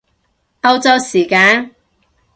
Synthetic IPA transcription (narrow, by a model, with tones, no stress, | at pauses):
ɐ˧wt͡sɐ˧wsiː˨˩kaː˧˥n